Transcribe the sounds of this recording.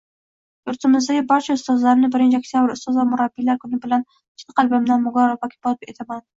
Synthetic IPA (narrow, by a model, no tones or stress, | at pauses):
jʊɾt̪ʰɪmɪzd̪aɡʲɪbɒɾt͡ʃʰaʊst̪ɒzlaɾɪnɪbɪɾɪnt͡ʃʰɪak̚t̪ʰʲjabɪɾʊst̪ɒzamʊɾabːilaɾkʰʊnɪbɪlan | t͡ʃʰt̪ːḁqɑlbɪmd̪anmʊɡɒɾavakʲʰɪ̥bɒt̪̚et̪ʰaman